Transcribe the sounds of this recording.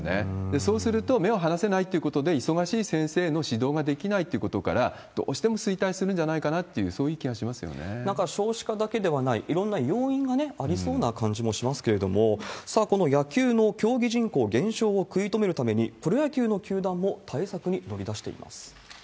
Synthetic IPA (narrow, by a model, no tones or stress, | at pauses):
nḛd̪e̞so̞ːsɨɾɯ̟t̪o̞me̞oɦanase̞nait̪ːeiɯ̟ko̞t̪o̞d̪e̞isoɡaɕiːsẽ̞ɰ̃se̞ːno̞ɕid̪o̞ːɡad̪e̞kʲinait̪ːeiɯ̟ko̞t̪o̞ka̰ɾa | d̪̥o̞̰ːɕi̥t̪e̞mo̞sɨit̪aisɨɾɯ̟̃ɲ̟d͡ʑanaikanat̪ːe̞jɯ̟̰so̞ːjɯːkʲiɡaɕimasɨjo̰ne̞̰nãŋkaɕo̞ːɕi̥kad̪ake̞d̪e̞βanaiʔiɾõ̞nːajoːĩŋɡane̞aɾʲiso̞ːnakãɲ̟d͡ʑimo̞ɕimasɨ̥ke̞ɾe̞d̪o̞mo̞sako̞no̞jakʲɨːno̞kʲo̞ːɡʲiʑĩŋko̞ːɡẽ̞ɰ̃ɕo̞ːkɯ̟it̪o̞me̞ɾɯ̟t̪ame̞ɲ̟ipɯ̟ɾojakʲɨːno̞kʲɨːd̪ãmːo̞t̪ʰaisakɯ̟ɲ̟ino̞ɾʲid̪aɕi̥t̪e̞ḭma̰sɨ̥